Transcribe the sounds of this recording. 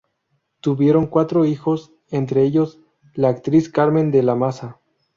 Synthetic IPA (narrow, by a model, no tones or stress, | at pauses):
t̪uβje̞ɾo̞ŋkwat̪ɾo̞ixo̞s | e̞nt̪ɾeeʝo̞z | laːk̚t̪ɾiskaɾmẽ̞nd̪elamasa